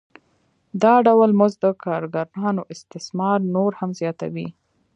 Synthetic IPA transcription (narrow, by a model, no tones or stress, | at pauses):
d̪ɑɖawlmʊzd̪əkʰɑɾɡaɾɑnoʔɪst̪ɪsmɑɾnoɾhamzjɑt̪a̰wi